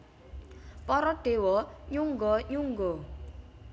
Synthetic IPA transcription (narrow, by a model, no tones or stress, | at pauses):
pɔɾɔɖ̥ewɔɲuŋɡɔɲuŋɡɔ